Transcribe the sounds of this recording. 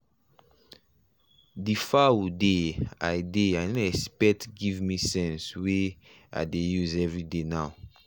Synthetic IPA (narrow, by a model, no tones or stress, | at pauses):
difawudeajdeajnoɛspɛk̚tɡivmisɛ̃nswe | a̰jdejuzɛvɹidenaw